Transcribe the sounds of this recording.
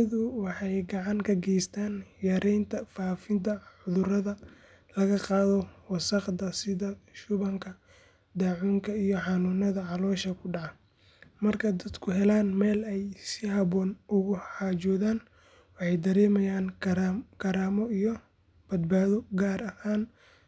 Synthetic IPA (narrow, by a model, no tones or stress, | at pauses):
ɐðʊwɑħɑjɡɑʕɑŋkʰɐɡɛjst̪ʰaːnjɛɾʔɛjnt̪ʰɐfaːfɪnt̪ʰɐʕʊðʊrɐðɐ | lɐɣɐqɑːðɔwɑsɑqd̪ɐsɪðɐʃʊβɐŋkʰɐ | d̪aːʕuːŋkʰɐijɔħɑnunɐðɐʕɑlɔːʃɐkʰʊɖɑʕɑ | mɐrkʰɐd̪ɐd̪kʰʊɦɛlaːnmɛːlɛjsɪhɑβɔːnʊɣʊħɑːt͡ʃɔːðaːn | wɑħɑjd̪ɐɾɛːmɐjaːnkʰɐɾaːmɔijɔ | b̥ɐd̪baːðɔɡaːɾɐhaːn